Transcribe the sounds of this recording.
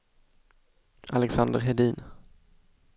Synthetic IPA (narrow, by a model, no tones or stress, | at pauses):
alɛksand̪əɾɦɛd̪iːn